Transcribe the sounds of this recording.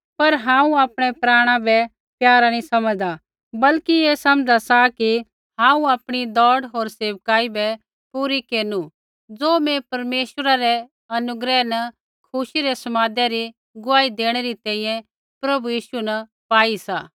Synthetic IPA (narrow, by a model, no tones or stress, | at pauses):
pɐɾɦãːũaːpɽ̃ɛpɾaːɽ̃ãbɛ | pjaːɾanĩsɐməd̪a | bɐlkieːsɐmd͡zasaki | ɦãːũaːpɽ̃id̪ɔːɽɦoːɾseːʋkaːibɛ | puːɾikeːnu | d͡zoːmɛ̃pɐɾmeːʃwəɾaɾɛ | ɐnʊɡɾɛnɐ | kʰʊʃiɾesɐmaːd̪eɾi | ɡʊʋaːid̪eːɽ̃eɾit̪ɛ̃ːĩjɛ̃ | pɾɐbujiːʃunɐ | paːisa̰ː